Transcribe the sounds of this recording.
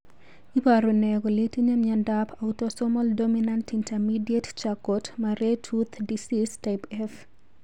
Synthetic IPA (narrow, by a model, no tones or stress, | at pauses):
ipaɾonɛɡɔlitiɲamiandapʰautɔsɔmɔldominantintamidiett͡ʃakɔtmaɾetʰut̪ʰdisistapɛf